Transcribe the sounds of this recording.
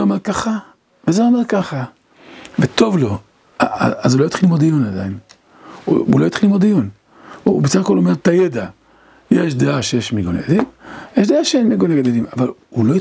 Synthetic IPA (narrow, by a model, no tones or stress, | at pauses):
omeʁkaχa | vezeomeʁkaχa | vet̪o̞vlo̞ | aazulojit̪χilimod̪ejonad̪ajin̰ | ṵlojit̪χilimod̪ijon | ubesaχakolomeʁt̪ajed̪a | jeʃd̪eaʃejeʃmiɡonḛɡadimjeʃd̪eaʃeenmiɡoneɡad̪elimavaluloji